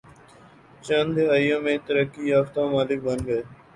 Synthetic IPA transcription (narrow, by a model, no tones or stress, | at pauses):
t͡ʃənd̪eəjõːmẽːt̪əɾəkːiːjaːft̪ãːmaːlɪk̚bə̃nd̪ɡəeː